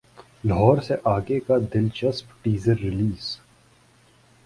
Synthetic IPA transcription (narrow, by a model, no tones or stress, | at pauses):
lɦɔːɾseʔaːɡekad̪ɪlt͡ʃəspʈiːzəɾːɪliːz